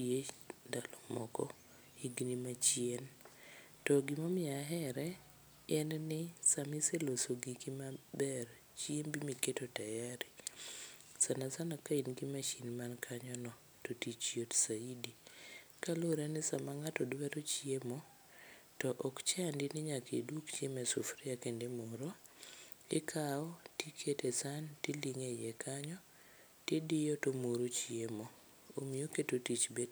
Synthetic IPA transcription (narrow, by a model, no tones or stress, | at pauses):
edalɔmɔkɔ | iɡnimat͡ʃijen | tɔɡɪmomɪaɦɛɾɛ | ɛnnɪsamiselosoɡikimabɛr | t͡ʃiembimiketotajaɾi | sanasanakainɡimat͡ʃinmankʰaɲɔnɔ | totit͡ʃjotsaidikaloɾanɪsamaŋatɔdwɛɾot͡ʃiemo | tɔʔɔkt͡ʃandɪnɪɲakḛdwokt͡ʃemɛsufɾiakendemoɾo | ɪkʰaɔtikʰetesantiliŋejɛkʰaɲɔ | tɪdɪjotomuɾot͡ʃiemo | omioketotit͡ʃbed